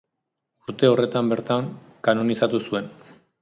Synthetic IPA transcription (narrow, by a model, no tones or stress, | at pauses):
uɾt̪e̞o̞re̞t̪ambe̞ɾt̪aŋ | kano̞nisat̪usue̞n